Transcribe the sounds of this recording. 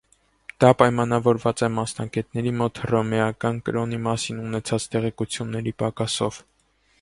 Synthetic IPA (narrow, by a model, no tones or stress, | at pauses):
d̪̥ɑpɑjmɑnɑvɔɾvɑt͡sɛmɑsnɑɡɛt̪nɛɾimɔt̪hrɔmɛɑkɑnkəɾɔnimɑsinunɛt͡sʰɑt͡st̪ɛʁɛkut͡sʰjunːɛɾipɑkɑsɔ̰v̥